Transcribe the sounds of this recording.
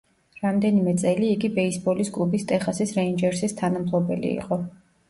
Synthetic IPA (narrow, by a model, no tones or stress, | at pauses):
ɾamd̪ɛnimɛt̪sʼɛliːɡibɛisbɔliskʼlˠubist̪ʼɛχasisɾɛind͡ʒɛɾsist̪ʰanamt̪ʰlˠɔbɛlḭḭqʼɔ